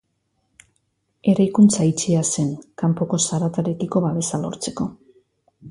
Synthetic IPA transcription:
e̞ɾajkunt͡sait͡ʃease̞ŋkampo̞ko̞saɾat̪aɾe̞kiko̞βaβe̞salo̞̰ɾt͡se̞ko̞

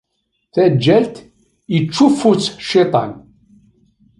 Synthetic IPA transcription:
θæd͡ʒːælt̪ | jət͡ʃːufːut͡sːʃit̪ˤɑ̰n

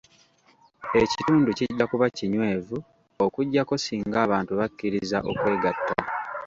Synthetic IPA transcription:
e̞cituːnduciɟːakuβaciɲwe̞ːvu | okuɟːako̞siːŋɡaːβaːntuβakːiɾiza̰ʔo̞̰kwe̞ːɡatːa̰

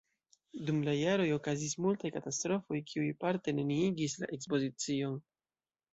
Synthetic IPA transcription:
dumlajaɾo̞jo̞kazismultajkatastɾo̞fo̞jkʰiujpaɾte̞neniiɡisla̰ʔe̞kspo̞zit͡sio̞n

